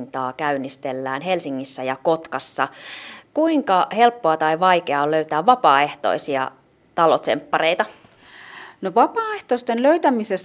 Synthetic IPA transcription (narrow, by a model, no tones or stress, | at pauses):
nt̪ɑːkæynːist̪elːæːnɦe̞lsiŋːisːæjɑko̞t̪kɑsːɑkuiŋkɑhe̞lpːoɑt̪ɑiʋɑjkeɑoløyt̪æːʋʋɑpɑːe̞ht̪o̰isiɑ | t̪ɑlot̪sḛmpːɑrejt̪ɑ | noʋɑpɑːeht̪ost̪enløyt̪æmises